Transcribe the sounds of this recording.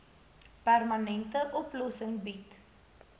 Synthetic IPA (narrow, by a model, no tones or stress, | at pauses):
pærmɐnɛntəʔɔplɔsəŋbit